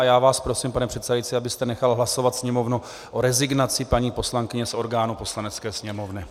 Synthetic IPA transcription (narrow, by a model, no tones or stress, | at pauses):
ajaːvaːspɾo̞simpanɛpr̥ɛt̪sɛdajit͡sɪabɪst̪ɛnɛxalɦlaso̞vat̪sɲɛmo̞vnu | ʔo̞ɾɛzɪɡnat͡sɪpaɲiːpo̞slaŋkɪɲɛsʔo̞ɾɡaːnupo̞slanɛt͡skɛːsɲɛmo̞vnɪ